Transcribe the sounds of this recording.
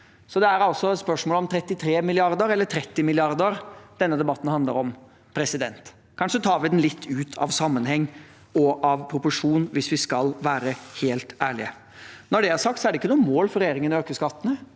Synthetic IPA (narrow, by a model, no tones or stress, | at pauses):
sɔd̪ɛæɾɑlsɔspœʂmoːləɔmt̪ʰɾɛt̪ːɪt̪ʰɾeːmɪlɪɑɾd̪əɾɛlːət̪ʰɾɛt̪ːɪmɪlɪɑɾd̪əɾd̪ɛnːəd̪ɛbɑt̪ːn̩hɑnd̪lə̰ɾɔm | pʰɾɛsɪd̪ɛnt̪ | kʰɑnʂət̪ʰɑːɾʋɪd̪ɛnlɪt̪ʰːʉːt̪ʰɑ̰ʋsɑmːənhɛŋː | ɔʔɑʋpʰɾʊpʊʂuːnʋɪsʋɪskɑlʋæːɾəheːlt̪æːɭɪə | nɔɖɛæɾsɑk̚t̪sɔæɖɛɪkːənuːmoːlfɔɾɛjeːɾɪŋənɔøːkəskɑt̪ːənə